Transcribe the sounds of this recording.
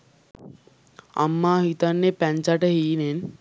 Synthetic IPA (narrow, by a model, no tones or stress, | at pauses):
a̰mːaːɦit̪anːepæɲt͡ʃaʈəɦiːnen